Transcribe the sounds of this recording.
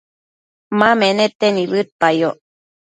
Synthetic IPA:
mãmẽnet̪eniβɨt̪̚pajo

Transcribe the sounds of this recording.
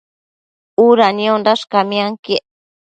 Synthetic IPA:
uɾanĩõnd̪aʂkamĩãŋkiʔ

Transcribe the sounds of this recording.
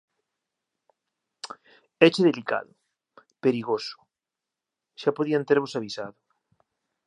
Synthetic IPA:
ɛt͡ʃeðelika̰ðʊ | peɾiɣosʊ̥ | ʃapoðiant̪eɾβ̞osaβ̞isaðʊ

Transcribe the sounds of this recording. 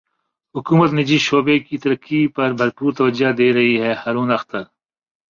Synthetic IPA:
ɦʊkuːmət̪nɪd͡ʒiʃoːbekit̪ɐɾəkːipɐɾbʱɐɾpuːɾt̪ɐʋəd͡ʒad̪eːɾɐɦiɦɛːhaːɾuːnɐxt̪əɾ

